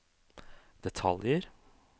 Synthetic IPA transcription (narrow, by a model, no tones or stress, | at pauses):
d̪̥ɛt̪ʰɑ̰ljəɾ